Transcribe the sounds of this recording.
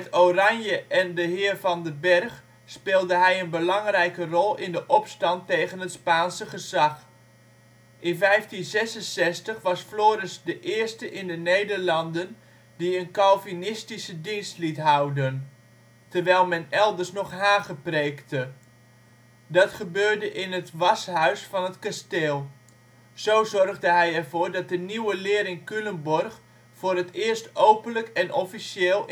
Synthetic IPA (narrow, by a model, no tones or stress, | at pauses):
mɛtorɑnjəʔɛndəɦɪːrvɑndəbɛrχ | spɪːlˠdəɦɛjənbəlɑŋrɛjkərɔlˠɪndəʔɔpstɑntːejɣənɦətspaːnsəχəzɑχ | ʔɪnvɛjftinzɛsənsɛstəχʋɑsfloːɾɪsdəʔɪːrstəʔɪndənejdərlɑndən | diənkɑlˠvinɪstisədinstlitɦʌwdən | tərʋɛjlˠmɛnɛlˠdərsnɔχɦaːχəprejktə | dɑtχəbøːɹdəʔɪnətʋɑsɦœɥsfɑnətkasteːlˠ | z̥owzɔrɣdəɦɛjɛrvoːɹdɑt̚dəniwəlɪːɾɪŋkyləmbɔrχ | foːɾətɪːrstowpənləkɛnʔɔfiseːlˠ